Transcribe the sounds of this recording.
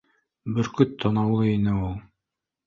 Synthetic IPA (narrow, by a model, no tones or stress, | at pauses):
bɘɾkɵt̪ʰːɑnɑwlˠɤinɘulˠ